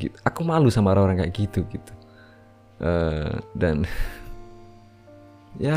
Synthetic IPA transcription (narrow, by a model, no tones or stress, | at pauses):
ḭt̪u̥ʔakumalusamaɾaoɾaŋkaʔɡit̪uɡit̪u̥ | ʔədan | ja